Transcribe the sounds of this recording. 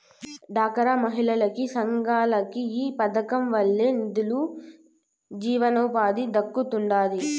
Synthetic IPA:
ɖʱaːkɐɾamɐɦiɭɐlɐkisɐŋɡaːlɐkiiːpɐd̪ɐkɐmʋɐɭːeːnid̪ulu | d͡ʒiːʋɐnɐwpaːd̪id̪ɐkːut̪uɳɖaːd̪i

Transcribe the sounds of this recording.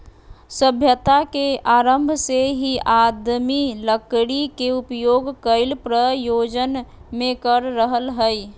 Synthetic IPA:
səbʱjət̪akeʔaːɾəmbʱseɦiaːd̪miləkɽikeʊpjoːɡkəɪlpɾəjoːd͡ʒənmẽkəɾːəɦəlɦəi

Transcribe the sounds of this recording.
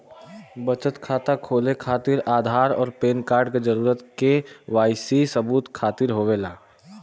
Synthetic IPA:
bət͡ʃət̪kʰaːt̪akʰoːlekʰaːt̪ɪɾaːd̪ʱaːɾɔ̰ːɾpeːnkaːɾɖked͡ʒəɾuːɾət̪keʋaːɪsisəbuːt̪kʰaːt̪ɪɾɦoːʋeːlaː

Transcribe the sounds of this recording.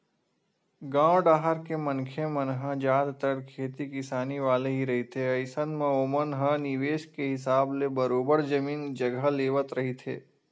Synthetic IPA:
ɡãːwɖaːɦəɾkemənkʰemənɦãd͡ʒaːd̪t̪əɾkʰeːt̪ikɪsaːniʋaːleɦiɾɐɦit̪ʰeɐɪsənmẽoːmənɦəniʋeːʃkeɦɪsaːblebəɾoːbəɾd͡ʒɐmiːnd͡ʒɐɡʱəleːʋət̪ɾɐɦit̪ʰḛː

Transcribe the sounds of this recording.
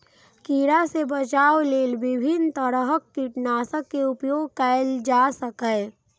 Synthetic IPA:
kiːɾasebət͡ʃaːwleːlʋɪbʱɪnt̪əɾəɦəkːiʈnaːsəkːeʊpjoːɡ̚kɛld͡ʒaːsəkə

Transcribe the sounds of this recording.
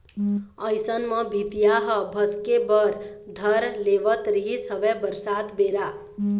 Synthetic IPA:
əjsənmʌbʱit̪ijaɦʌbʱʌskebʌɾd̪ʱʌɾleʋət̪ɾiɦisʌbebəɾsat̪beɾa

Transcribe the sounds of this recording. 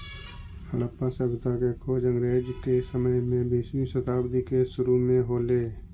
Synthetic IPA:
həɽəpːasəbʱɪt̪akekʰoːd͡ʒə̃ŋɡɾeːd͡ʒkesəməjmẽbiːʃwiʃət̪aːbd̪ikeʃʊɾumẽɦoːleː

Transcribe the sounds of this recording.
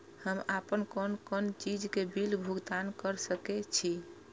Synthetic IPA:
həmapənkonkɔnt͡ʃid͡ʒkebilbʱuɡt̪ankəɾsəkɛt͡ʃʰi

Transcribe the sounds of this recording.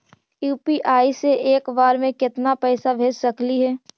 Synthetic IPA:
juːpiʔaːiseeːkʋaːɾmẽkɪt̪napɛːsabʱeːd͡ʒsɐkliɦɛː

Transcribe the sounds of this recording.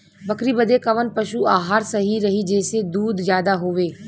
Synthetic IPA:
bɐkɾibəd̪ekɐʋənpɐʃuaːɦaːɾsɐɦiɾɐɦid͡ʒɛːsed̪uːd̪zjaːd̪aɦoːʋeː

